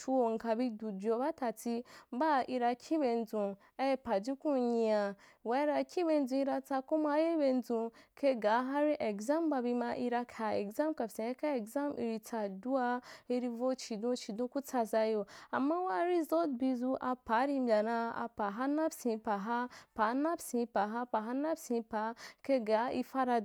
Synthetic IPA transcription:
t͡ʃu˧o˨ŋ̩˨ka˨bi˧du˨d͡ʒʲo˧˦ba˦ta˨ti˧˦ba˦i˧ɾa˧kʰʲi˦be˧n˦d͡zũ˨˧ | a˦je˧pa˨d͡ʒi˦kũ˦ɲi˧a˧˨ | wa˨˦i˦ɾa˧kʰʲi˦be˧n̩˦d͡zũ˧i˧ɾa˧t͡sa˧ku˦ma˧˦je˦be˧n˦d͡zũ˧kʰe˧ɡa˨˦ɦa˦ɾi˦ʔe˨ɡza˦mba˧bi˧ma˧ʔi˧ɾa˧kʰa˨e˨ɡza˦mka˨psĩ˨a˧˦ka˦e˨ɡza˦mḭ˧ɾi˧t͡sa˧du˦a˧i˧ɾi˧vo˧t͡ʃi˨dõ˧t͡ʃi˨dũ˧ku˦t͡sa˧za˧jo˧a˨mːa˦wa˦ɾi˦zo˦t̚bi˧zu˧ʔa˧pa˨˦ɾi˧mbʲa˨nã˧a̰˧pa˨ɦa˦na˦psĩ˧˦pa˨ɦa˦pa˨˦na˦psĩ˧pa˨ɦa˦pa˨ɦa˧na˦psĩ˧˦pa˨˦ke˧ɡa˨˦i˧fa˦ɾa˧

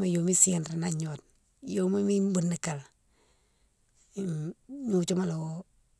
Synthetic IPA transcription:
ma˨jo˨mi˦si˦a˨nɾa˨na˨ɲo˨t̚ | jo˦mi˦mi˦m˦bu˨nːi˨ka˨l | mu˦˨t͡ʃo˦ma˦lo˨o˦

